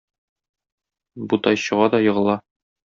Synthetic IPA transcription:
but̪ɒjɕɤ̆ʁɑd̪ɒjɤ̆ʁɤ̆lˠɑ

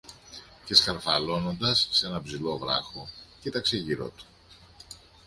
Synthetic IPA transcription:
ce̞sxɐɾfɐlo̞no̞nd̪ɐsːe̞nɐbzilo̞vɾɐ̰xocit̪ɐkseʝiɾo̞̰t̪u̥

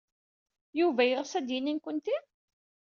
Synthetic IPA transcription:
juvæjʁsæd̪jinːinkʷənt̪i

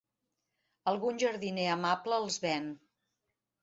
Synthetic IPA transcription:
əlˠɣunʲʒəɾðineəmapləːlˠzβɛn

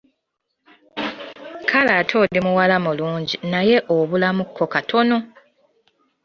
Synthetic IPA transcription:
kʰalatʰo̞ːɾimuwalamuluːɲɟinaje̞ʔoβulamukːo̞katʰo̞no̞

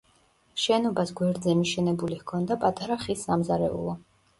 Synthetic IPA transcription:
ʃɛnɔbasɡwɛɾd̪zɛmiʃɛnɛbulihkʰɔnd̪apʼat̪ʼaɾaχisːamzaɾɛ̰ṵlˠɔ

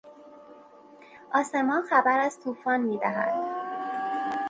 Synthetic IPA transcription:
ʔɒːse̞mɒːnxæbæɾæz̥t̪ʰuːfɒːnmiːd̪æɦæ̰d̪̥̚

